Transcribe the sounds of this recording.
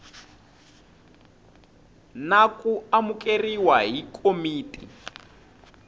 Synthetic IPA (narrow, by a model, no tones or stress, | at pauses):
nakʼuamukʼeriwaɦikʼomiːtʼḭ